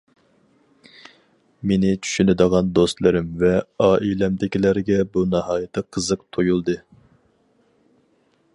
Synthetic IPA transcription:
menɪt͡ʃʰy̥ʃynɪd̪əʁɑnd̪ost̪lˠɨɾɪmvɛɑːʔilɛmd̪ɪkʲilæɾɡʲɛbunɑhɑːjɪt̪ʰɨqʰːəzɨq̚t̪ʰojulˠd̪ɨ

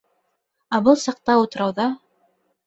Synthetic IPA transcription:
æbɤlˠsɑq̚t̪ɑut̪ɤ̆ɾɑwðɑ

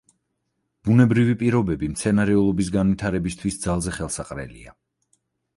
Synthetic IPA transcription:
b̥unɛbɾivipʼiɾɔbɛbimt̪sʰɛnaɾɛulˠɔbis̬ɡanvit̪ʰaɾɛbist̪ʰwisd̪zalˠzɛχɛlˠsaqʼɾɛ̰lḭa

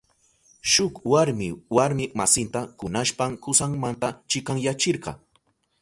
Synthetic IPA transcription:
ʃʊkwaɾmɪwaɾmɪmasɪnt̪akʊnaʃpamkʊsaŋmant̪at͡ʃɪkaŋjat͡ʃɪɾɢɑ̰

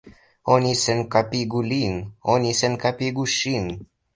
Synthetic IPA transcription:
onisenkapiɡulinonʲisenkapiɡuʃin

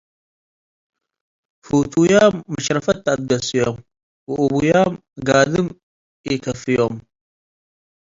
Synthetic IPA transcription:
fuwt̪ʰujaːmːɐʃɾɐfɐt̪ːab̪̚d̪ɐsijom | wɨʔuβujaːm | ɡaːd̪ɨm | ikʰɐfɨjom

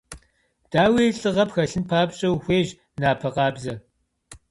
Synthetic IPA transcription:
d̥aːwiːɬʼɨʁɐpxɐɬɨnpʰaːbɕʼɐwxʷeːʒ | naːpʰɐqɑːbzɐ

